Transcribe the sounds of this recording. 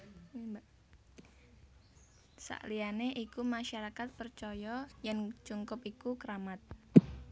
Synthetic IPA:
sa̰ʔlianeʔikumaʃaɾakat̪̚pərt͡ʃɔjɔjaŋt͡ʃuŋkʊpikukəɾamat̪̚

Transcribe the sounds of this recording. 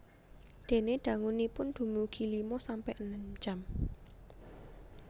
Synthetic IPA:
d̪̥e̤neɖ̪̥ä̤ŋunipʊnd̪̥ṳmuɡ̥i̤limɔsampɛʔnəmt͡ʃam

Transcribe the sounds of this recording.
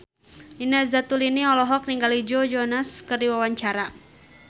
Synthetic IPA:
inazat̪uliniɔlɔɦɔk̚niŋɡalid͡ʒɔd͡ʒɔnaskərdiwawaɲt͡ʃaɾa

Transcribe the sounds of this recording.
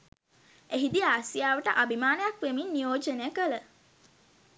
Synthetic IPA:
eɦid̪iaːsijaːʋəʈəʔabʱimaːnəjakʋeminːijoːd͡ʒənəjəkələ

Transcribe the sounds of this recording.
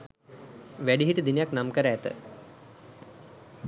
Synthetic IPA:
ʋæɖiɦiʈəd̪inəjaknamkəɾæːt̪ə̰

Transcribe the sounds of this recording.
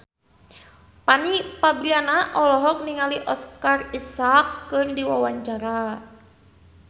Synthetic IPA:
panipabɾianaʔɔlɔɦɔk̚niŋaliʔɔskarisakːɨrdiwawaɲt͡ʃaɾa

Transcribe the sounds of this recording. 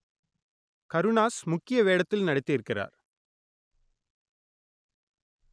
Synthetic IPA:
kɐɾɯɳaːsmʊkːɪjɐʋeːɽɐt̪ːɪlnɐɽɪt̪ːɪɪɾɯkːɪra̰ːɾ

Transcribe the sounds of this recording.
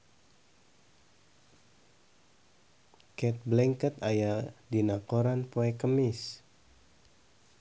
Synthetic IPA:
kɛt̪̚blɛŋkət̪ajadinakoɾanpoɛkəmɪs

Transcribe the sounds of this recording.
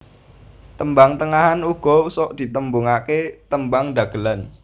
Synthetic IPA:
t̪əmbaŋt̪əŋaɦanuɡ̥ɔsɔʔd̪̥i̤t̪əmbuŋaket̪əmbaŋd̪a̤ɡ̥əlan

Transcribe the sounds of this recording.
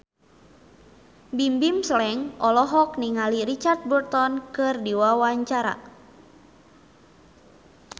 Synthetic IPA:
bimbimsəlɛŋʔɔlɔɦɔk̚niŋaliɾit͡ʃart̪̚burt̪ɔnkɨrdiwawaɲt͡ʃaɾa̰

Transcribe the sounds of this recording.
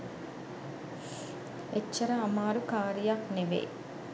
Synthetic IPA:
et͡ʃːɐɾɐːmaːɾukaːɾijakneʋḛː

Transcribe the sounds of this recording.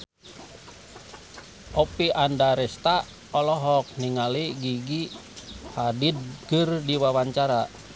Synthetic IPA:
ʔɔpiʔandaɾɛst̪a | ɔlɔɦɔk̚niŋaliɡiɡi | hadid̪̚kərdiwawaɲt͡ʃaɾa

